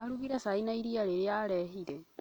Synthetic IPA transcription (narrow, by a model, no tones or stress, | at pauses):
aɾuɣiɾasainaiɾiaɾeɾeaɾɛɦiɾe